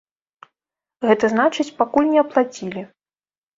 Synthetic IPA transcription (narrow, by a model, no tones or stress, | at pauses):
ɣɛt̪ɐznat͡ʂɨt͡sʲpakulʲnʲɛɐplˠat͡sʲilʲi